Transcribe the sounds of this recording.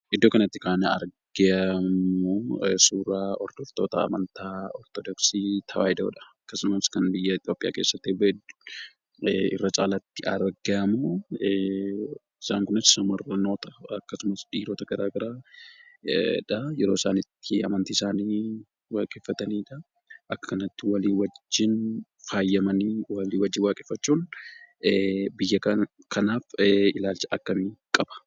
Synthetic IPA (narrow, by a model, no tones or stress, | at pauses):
ʔɪd̪ːoːkɐnɐt̪ːɪkaːnɐɐ̰ɾɡɛɐmoːsuːɾaːɔɾd̪̥ɔft̪o̞ːt̪ɐɐ̰mɐnt̪aːɔɾt̪ɔd̪ɔksiːt̪ʰɐwa̰ːhɪd̪ɐ̰ːᶑɐ̥ɐkːɐsʊmɐskɐnbɪjːɐɪt̪jo̞ːpʼːɪja̰ːke̞ːsːɐt̪ːeːbɐd̪ʊ̥ | ɪ̰rːɐt͡ʃʼaːlɐt̪ːɪʔɐɾɡɐmoː | ɪsaːŋkʊnɐssɐmɐrɐno̞ːt̪ɐɐkːɐsʊmɐsᶑiːɾoːt̪ɐɡɐɾaːɡɐɾaː | ᶑɐjɛɾo̞ːɪsaːnɪt̪ːɪɐ̰mɐnt̪iːsaːniː | waːkʼeːfːɐt̪ɐniːᶑɐ | ʔɐkːɐkɐnɐt̪ːɪwɐliːwɐd͡ʒːɪn | faːjːɐmɐniːwɐliːwɐd͡ʒːɪnwaːkʼeːfːɐt͡ʃːuːn | bɪjːɐkkɐnaːfɪlaːlt͡ʃɐʔɐkːɐmiːkʼɐb̥ɐ̥